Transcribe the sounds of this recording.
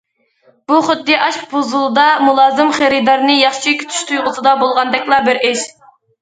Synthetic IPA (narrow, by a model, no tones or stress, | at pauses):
b̥uχʊd̪ːɨʔɑʃbʰozulˠɨd̪ɑmulˠɑːzɨmχeɾɨd̪ɑɾnɨjɑχʃikʲʰy̥t̪ʰy̥ʃt̪ʰujʁəsɨd̪ɑbolˠʁɑnd̪ɛkʲlˠɑbɪɾʔɪʃ